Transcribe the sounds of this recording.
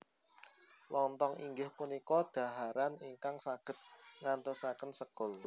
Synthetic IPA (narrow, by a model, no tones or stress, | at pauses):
lɔnt̪ɔŋiŋɡɪhpunikɔd̪̥a̤ɦaɾaniŋkaŋsaɡ̥ə̤t̪̚ŋant̪ʊsakənsəkʊl